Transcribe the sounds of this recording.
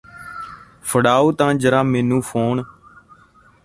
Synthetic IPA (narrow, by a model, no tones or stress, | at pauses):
fʰəɽaːoːt̪ãːd͡ʒəɾãːmɛ̃ːnũːpʰoːn